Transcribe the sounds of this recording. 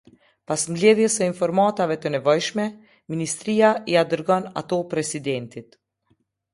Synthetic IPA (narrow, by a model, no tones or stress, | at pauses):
pasmlɛðjɛsəinfɔɾmat̪avɛt̪ənɛvɔjʃmɛ | minist̪ɾijaiad̪əɾɡɔna̰t̪ɔpɾɛsid̪ɛnt̪it̪